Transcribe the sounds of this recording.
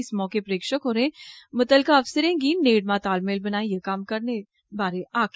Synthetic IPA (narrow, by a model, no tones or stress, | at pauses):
ɪsmɔːkepɾeːkʃəkɦoːɾɦẽːmɐt̪əlkaɐfsəɾẽɡiːneːɖmãːt̪aːlmeːlbɐnaːẽjekaːmkɐɾne | baːɾeaːk